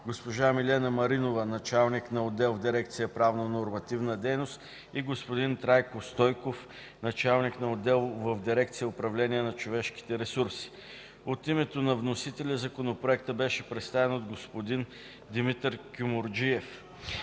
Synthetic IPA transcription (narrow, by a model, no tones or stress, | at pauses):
ɡospoʒamilʲɛnəmɐɾinovənɐt͡ʃalˠniknɐod̪ɛlˠvd̪iɾɛkt̪sijəpɾavnənoɾmɐt̪ivnəd̪ɛjnost̪ | iɡospod̪int̪ɾajkost̪ɔjkof | nɐt͡ʃalˠniknɐod̪ɛlˠvəvd̪iɾɛkt̪sijəʊpɾɐvlʲɛniɛnɐt͡ʃovɛʃk̟i̥t̪ɛɾɛsuɾsi̥ | ot̪imɛt̪onɐvnosit̪ɛlʲəzɐkonopɾoɛk̚t̪əbɛʃɛpɾɛt̪st̪avɛnod̪ɡospod̪in | d̪imit̪ɾkʲumoɾd͡ʒiɛf